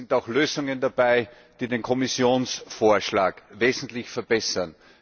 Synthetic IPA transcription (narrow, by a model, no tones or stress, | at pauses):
ɪntaʊxløːzʊŋəndab̥aɪ | d̥iːdeːnkʰɔmɪsjoːnsfoːɐʃlaːkveːzn̩tlɪçfɛɐbɛsɐn